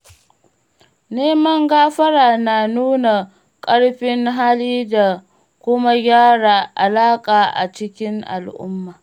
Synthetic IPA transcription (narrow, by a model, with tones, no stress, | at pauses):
neː˦mɐ˦ŋɡaː˦ɸɐ˦ɽaː˨na˨nuː˦na˨ | kʼɐ˦ɽɸɪ˦ŋɦa˦liː˦da˨ | kʷʊ˦ma˦ɡʲaː˦ɽaː˨ʔa˨laː˦kʼaː˨ʔa̰˨t͡ʃɪ˦kʲɪ˦ŋʔa̰˨lʔʊ̰˦mːaː˨